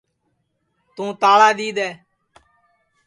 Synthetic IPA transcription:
t̪ũːt̪aːɭaːd̪iːd̪ɛː

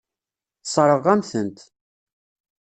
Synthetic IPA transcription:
θsˤɾˤəʁæmθənt̪

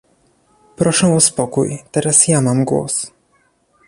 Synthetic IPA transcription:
pɾɔʂɛ̃ɔspɔkṵjt̪ɛɾasjamamɡwɔ̰s

